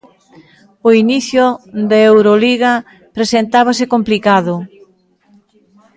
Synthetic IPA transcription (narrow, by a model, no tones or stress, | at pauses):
oiniθjʊðeewɾoliɣɐ | pɾesent̪aβɐsɪkomplikaðʊ